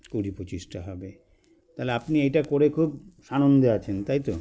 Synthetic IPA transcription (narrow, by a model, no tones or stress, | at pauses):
kuɾipot͡ɕisʈaɦɔbe | t̪aleapniejʈakoɾekʰub̚ʃanond̪eat͡ɕʰent̪ajt̪o